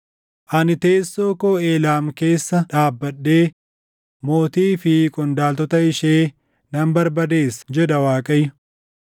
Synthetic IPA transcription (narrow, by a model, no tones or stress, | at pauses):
ʔɐnɪt̪e̞ːsːoːkoːe̞ːlaːmke̞ːsːɐᶑaːbːɐɗːeː | mo̞ːt̪iːfɪkʼʊnd̪aːlt̪ɔt̪ɐɪʃeː | nɐmbɐɾbɐd̪e̞ːsd͡ʒɛᶑɐwaːkʼɐjʊ